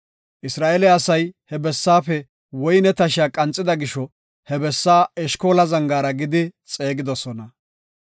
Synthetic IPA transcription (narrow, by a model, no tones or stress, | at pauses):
ʔɪsɾaːʔɛlɪɐsɐjhɛbɛsːaːfɛ | wɔjnɛt̪ɐʃɪjaːkʼɐnt͡sʼːɪd̪ɐɡɪʃɔ | hɛbɛsːaːɛʃko̞ːlɐzɐŋɡaːɾɐɡɪd̪ɪt͡sʼeːɡɪd̪ɔsɔnɐ